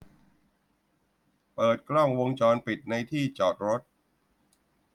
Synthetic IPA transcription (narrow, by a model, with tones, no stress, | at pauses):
pɤː˨˩t̪̚kʰlɔ˥˩ŋwo˧ŋt͡ɕɔː˧npi˨˩t̪̚na˧jt̪ʰiː˥˩t͡ɕɔː˨˩t̪̚ɾo˦˥t̪̚